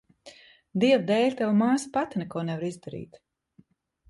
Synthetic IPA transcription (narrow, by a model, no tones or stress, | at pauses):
d̪iɛwd̪ɛːlʲt̪awamaːsḁpat̪nɛkuɔnɛvaɾizd̪aɾḭːt̪